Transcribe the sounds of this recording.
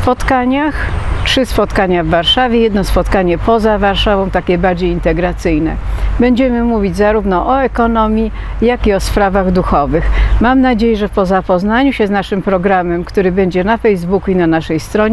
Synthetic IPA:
spɔt̪kaɲaxtʂɘspɔt̪kaɲavːaɾʂavʲjɛjɛd̪nɔspɔt̪kaɲɛpɔzavaɾʂavɔ̃w̃t̪akʲɛbaɾd͡ʑejint̪ɛɡɾat̪sɘjnɛ̰bɛɲd͡ʑɛmɘmuvʲid͡ʑzaɾuvnɔʔɔɛkɔnɔmʲji | jakiɔspɾavaɣd̪uxɔvɘxmamnad͡ʑejɛʐɛfpɔzapɔznaɲuɕɛznaʂɘmpɾɔɡɾamɛmkt̪uɾɘbɛɲd͡ʑɛnafɛjzbukuinanaʂɛjst̪ɾɔɲɛ

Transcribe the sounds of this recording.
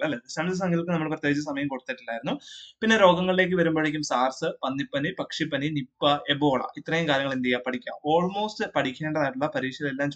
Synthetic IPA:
ɐlːeðɨɕɐmsɐs̬ɐŋɡikɨnɐmːɐɭprɐt̪jeːɡit͡ɕːɐsɐmɐjɐmkoɽut̪ːiʈːilːaːjiɾunːupinːe̞ɾo̞ːɡɐŋːɐɭile̞ːk̬ːɨʋɐɾumboːɭeːk̬ʲːumsaːrsɨpɐnːipːɐnipɐkʂipːɐninipːɐebo̞ːɭɐ̰ʔit̪ːrɐjumkaːɾjɐŋːɐɭind̪ijaːpɐʈʰikʲːa̰ːmo̞ːɭmo̞ːstɨpɐʈikʲːe̞ːɳɖɐðaːjʈ̬ːuɭːɐpɐɾiːʂjɐɣɐɭelːaːmt͡ɕ

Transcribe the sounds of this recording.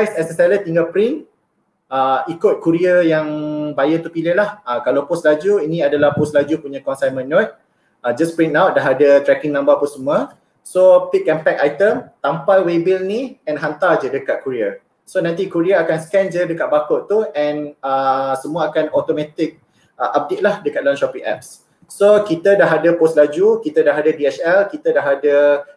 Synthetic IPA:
ajsɛsəsɛlət̪iŋɡapɾĩn | əikʊt̪̚kuɾiəjaŋbajət̪upilɪhlahəkalawpʊslad͡ʒuinĩadalahpʊslad͡ʒupuɲãkɔnsajmə̃nːɔt̪̚ | əd͡ʒaspɾinawt̪̚daɦadət̪ɾɛkiŋnãmbapusəmũə | sopikɛmpɛk̚ajt̪əmt̪ampajwebilniɛnɦant̪ad͡ʒədəkat̪̚kuɾiə | sonãnt̪ikuɾiaakansə̥kɛnd͡ʒədəkat̪̚bakʊʔt̪uɛ̃nəsəmũəakanɔt̪omɛ̃t̪ɪk̚ | əʔap̚det̪̚lahdəkat̪̚lanʃɔpiŋʔɛ̰p̚s | sokit̪ədaɦadəposlad͡ʒukit̪ədaɦadadiɛt͡ʃɛlkit̪ədaɦadə

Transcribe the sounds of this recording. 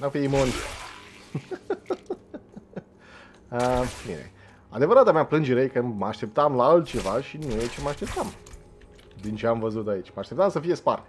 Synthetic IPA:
nafiimonisḛ | əbḭnḛ | ad̪evəɾat̪ameaplɨnd͡ʒeɾejkəməaʃt̪e̞p̚t̪amlaalt̪̚t͡ʃe̞vaʃinujet͡ʃeməaʃt̪e̞p̚t̪am | d̪int͡ʃe̞amvəzut̪ait͡ʃʲməaʃt̪e̞p̚t̪amsəfije̞spar

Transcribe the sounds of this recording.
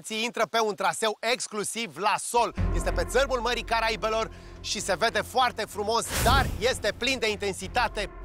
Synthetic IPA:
t̪siint̪ɾəpe̞unt̪ɾase̞we̞ksklusivlaso̞lje̞st̪e̞pe̞t̪sərmulməɾikaɾaibe̞lo̞r | ʃise̞ve̞d̪e̞foart̪e̞fɾumo̞sd̪arje̞st̪e̞plind̪e̞int̪e̞nsit̪at̪e̞

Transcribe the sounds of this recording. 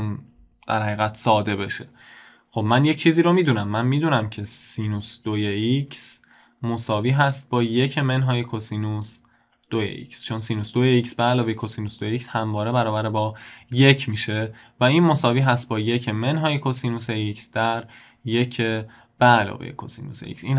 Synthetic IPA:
un | d̪̥æɾhæɣiːɣæt̪sɒːd̪e̞be̞ʃe̞̥ | xo̞bmænje̞ct͡ʃʰiːziːɾomiːd̪uːnæmːænmiːd̪uːnæmcʰe̞siːnusd̪̥ojeicʰs | mo̞sɒːviːɦæst̪̚bɒːje̞cʰemenɦɒjekʰosinus | d̪̥ojḛʔḭkst͡ʃʰo̞nsiːnusd̪ojeicsbeælɒːvejekʰosiːnusd̪ojeicshæmvɒːɾe̞bæɾɒːbæɾebɒːje̞cʰmiːʃe̞ | væinmo̞sɒːviːɦæst̪̚bɒːje̞cʰeme̞nɦɒːjekʰosiːnuseicsd̪̥æɾ | je̞cʰe | b̥eælɒ̰ːvḛjḛkʰo̰sḭːnusḛḭcsiːn

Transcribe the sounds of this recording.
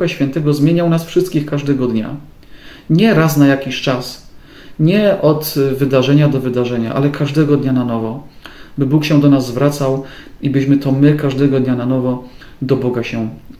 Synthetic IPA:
aɕfʲjɛnt̪ɛɡɔzmjeɲawnasfʂɘst̪̚kʲixkaʐd̪ɛɡɔd̪ɲa̰ | ɲɛɾasnajakʲiɕt͡ʂas | ɲɛʔɔd̪vɘd̪aʐɛɲad̪ɔvɘd̪aʐɛɲa̰ʔa̰lɛkʰaʐd̪ɛɡɔd̪ɲananɔvɔbɘbukɕɛd̪ɔnazːvɾat̪saw | ibɘɕmɘt̪ɔmɘkaʐd̪ɛɡɔd̪ɲananɔvɔ | d̪ɔbɔɡaɕɛ̃

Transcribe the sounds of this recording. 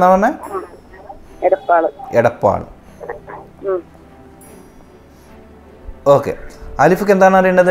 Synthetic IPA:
naːɭɐnːɐ | eɽɐpːaːɭɨeɽɐpːa̰ːɭɨ̰ | oːkːe̞̰ɐlifukːend̪aːɳɐrijuɳɖɐðɨ

